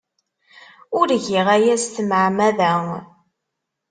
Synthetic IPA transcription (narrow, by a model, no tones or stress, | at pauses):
ʊɾʝiʁæjæst̪məʕmæðæ